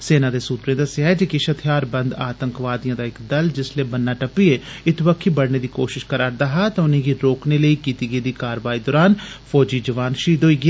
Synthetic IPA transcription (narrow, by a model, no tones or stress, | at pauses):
seːnãːd̪eːsuːt̪ɾẽːd̪əsɪjaːɦɛd͡ʒeːkɪʃət̪ʰɪjaːɾbənd̪aːt̪əŋkʋaːd̪ijãːd̪aːɪkd̪əld͡ʒɪsleːbənːaːʈəpːieːɪt̪bəkʰːiːbəɽneːd̪iːkoːʃɪʃkəɾaːɾd̪aːɦaːt̪ãʊnẽːɡiːɾoːkneːləiːkiːt̪iːɡəiːd̪iːkaːɾʋaːiːd̪ɔːɾaːnpʰɔːd͡ʒiːd͡ʒəʋaːnʃiːd̪oːiːɡɪaː